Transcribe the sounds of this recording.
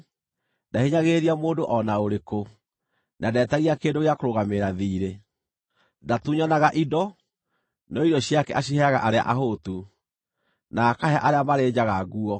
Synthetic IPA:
daheɲaɣeɾiamoːdoʔɔnaoɾeko | nʔadɛːtaɣiakeːndoɣeakoɾoɣameɾaðiːɾe | ndatuːɲanaɣaʔidɔ | nɔidɔɕiakɛ̰ʔaɕ̬iɦɛaɣa̰ʔaɾea̰ʔaɦotu | naːkaɦɛaʔaɾeamaɾeːd͡ʑaɣaɣuɔ

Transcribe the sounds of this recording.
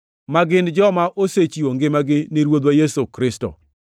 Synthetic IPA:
maɡɪnd͡ʒɔmaʔoset͡ʃioŋɡɪmaɡɪniɾwod̪wajesokɾɪsto̰

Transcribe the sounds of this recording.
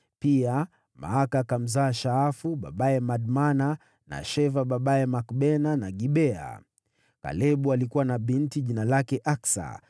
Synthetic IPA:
pia | ma̰akakam̩zaːʃaafuɓa̰ɓaɛmaɗmana | na̰ʃɛvaɓaɓaɛmakɓɛnanaɡiɓɛa̰ | ka̰lɛɓualikuwanaɓintiʄinalakɛʔaksa̰

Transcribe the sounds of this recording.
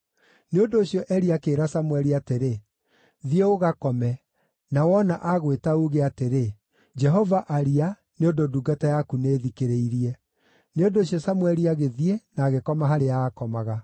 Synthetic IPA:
neondoːɕiɔʔɛɾiakeːɾasamwɛɾiateɾe | ðieoɣakɔmɛ | nawɔnaʔaɣwetauɣeateɾe | d͡ʒɛɦɔvaʔaɾia | neondoduɡatajakuneːðikeɾeiɾiɛ | neondoːɕijɔsamwɛɾiaɣeðienaːɣekɔmaɦaɾeaːkɔmaɣa

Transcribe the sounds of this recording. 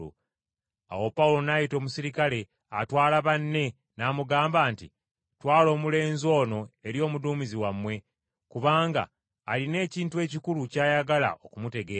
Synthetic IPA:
ṵ | a̰wo̞pawulo̞najito̞ːmusiɾikale̞ | a̰twaːlaβanːe̞ | naːmuɡaːmbaːntḭ | twaːlo̞ːmule̞ːnzo̞ːno̞e̞ɾjo̞ːmuduːmiziwamwe̞ | kuβaːŋɡa̰ː | line̞ːciːntue̞ːcikulucaːjaɡala̰ʔo̞kumute̞ɡeː

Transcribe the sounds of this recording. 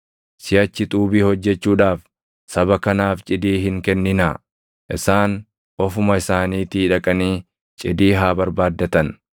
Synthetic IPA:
sɪjɐt͡ʃːɪt̪ʼuːbiːhɔd͡ʒːɛt͡ʃːuːᶑaːf | sɐβɐkɐnaːft͡ʃʼɪd̪iːhɪŋkɛnːɪna̰ː | ʔɪsaːn | ɔfʊmɐɪsaːniːt̪iːᶑɐkʼɐniː | t͡ʃʼɪd̪iːɦaːbɐɾbaːd̪ːɐt̪ɐn

